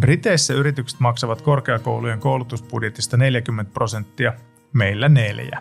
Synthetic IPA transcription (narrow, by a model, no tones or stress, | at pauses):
rit̪e̞isːæyɾit̪ykse̥t̪mɑksɑʋɑt̪ko̞rk̟eɑko̞̰wluje̞ŋko̞wlut̪usb̥udje̞t̪ist̪ɑne̞ljæk̟ymːent̪̚pro̞se̞nt̪ːiɑ | me̞ilːæneljæ̰